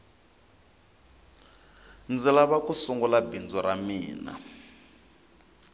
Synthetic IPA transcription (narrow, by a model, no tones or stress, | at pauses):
nd͡zilaβakusuŋɡulabind͡zɔɾamiːna̰